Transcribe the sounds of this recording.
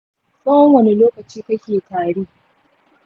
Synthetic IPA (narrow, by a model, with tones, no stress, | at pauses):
saː˦wwɐ˨ne˦loː˦kɐ˨t͡ʃiː˦kɐ˦kʲeː˨taː˨ɽiː˦